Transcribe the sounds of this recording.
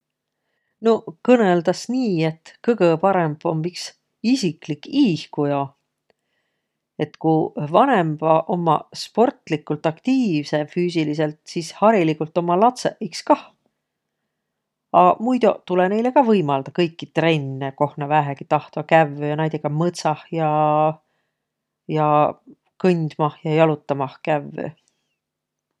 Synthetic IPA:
no̞kɤneld̪̥ɑsniːe̞t̪kɤɡepɑɾe̞mb̥ompiks | isiklikːiːhkujo | e̞t̪kuvɑne̞mb̥ɑʔo̞mːɑ̰spo̞rt̪ˑlikːˑult̪ˑɑkt̪iːvse̞fyːs̬ilise̞lt̪sishɑɾilikult̪ːˑo̞mːɑlɑt̪se̞ʔʔikskɑh | ɑmujd̪̥ot̪ulene̞jle̞kɑvɤjmɑld̪̥ɑkɤjkːit̪re̞nːeko̞hnɑvæɦeɡ̥it̪ɑht̪vɑkævːøjɑnɑjd̪̥ʲekɑmɤt̪sɑhjɑ | jɑ | kɤnʲd̪̥mɑhjɑjɑlut̪ːˑɑmɑhkævːø̰

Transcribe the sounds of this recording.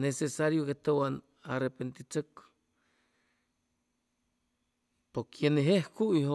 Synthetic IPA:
nesesaɾjokeht̪owan | arepent̪it͡sak | pokʰjeneɦehkuiho

